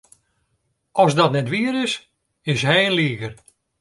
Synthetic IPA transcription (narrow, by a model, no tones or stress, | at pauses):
ʔɔsdɔtnɛtʋiəɾɪs | ɪsɦɛjənliːɣər